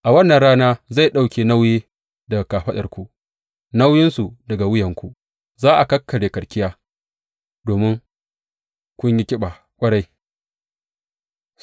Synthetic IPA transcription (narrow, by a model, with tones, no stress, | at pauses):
ʔa˨wɐ˦nːɐ˨nɽaː˦naː˦za˦˨jɗa˦˨wkʲeː˨na˦wjeː˦ | dɐ˨kaː˨ɸɐ˦ɗɐ̰˨rkʷu˦ | na˦wjɪ˦nsu˨dɐ˨ɡa˨wɪ˦jɐ˨ŋkʷu˨ | zaː˦ʔa˨kɐ˦kʰːɐ˨ɽeː˨kɐ˨ɽkʲɪ˦jaː˦ | doː˨mɪ˦ŋ | kʷʊ˦ɲji˦kʲɪ˦ɓa˨ | kʷʼɐ˦ɽa˦j